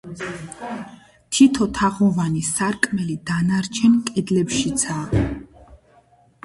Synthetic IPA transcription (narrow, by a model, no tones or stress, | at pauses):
t̪ʰit̪ʰɔt̪ʰaʁɔvanisaɾkʼmɛlid̪anaɾt͡ʃʰɛnkʼɛd̪lɛpʃit̪sʰa